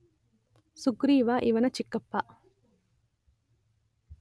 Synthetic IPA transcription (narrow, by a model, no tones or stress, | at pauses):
suɡɾiːʋaːʔiʋɐnɐt͡ʃikːɐpːaːʔ